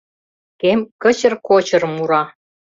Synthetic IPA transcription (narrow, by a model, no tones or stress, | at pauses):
kemkə̆t͡ɕə̆rkot͡ɕɤ̆rmuɾɑ